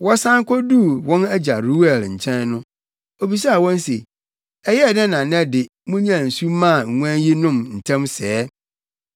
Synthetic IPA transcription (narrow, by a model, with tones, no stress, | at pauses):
wɔ˦sã˦ŋ˦kʰɔ˦du˦˨wɔ̃˦næ˦d͡ʑa˨ɾu˦ɛ˨lɲ̩˨t͡ɕʰɛ̃˦nnʊ̃˦ | o˨bi˨s̬a˦a˨wɔ̃˦n˦se˨ | ɛ˦jɛ˦˨dɛ̃˦nã˨nɛ̃˦dɪ˨ | mʊ̃˦ɲ˦ã˦˨n̩˨su˦mã˦˨ŋ̩˨ŋu˦ã˦nji˦nʊ̃˦mn̩˨tʰã˦msɛː˦